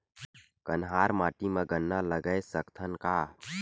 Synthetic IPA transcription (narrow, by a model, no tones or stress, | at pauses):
kənɦaːɾmaːʈiməɡənːaləɡəjsəkt̪ʰənkaː